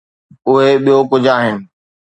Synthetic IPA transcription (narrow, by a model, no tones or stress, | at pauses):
ʊɦeɓijokʊd͡ʑʱaːɦɪnɪ̆